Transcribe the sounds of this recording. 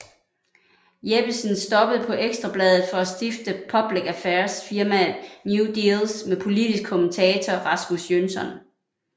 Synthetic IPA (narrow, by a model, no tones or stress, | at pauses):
jeb̥isnsd̥ɒ̽b̥əð̩ˠpʰɒ̽ʔeɡ̥sd̥ʁɑ̈b̥lɛð̞ˠð̞̩ˠfɒ̽æsd̥ifd̥əpʰɒ̽b̥liɡ̥æfæɐsfiɐmæð̩ˠnjud̥ilsmepʰo̝lid̥isɡ̥̚kʰomnt͡sʰɛːt͡sʰɒʁɑ̈smusjønsɒ̽n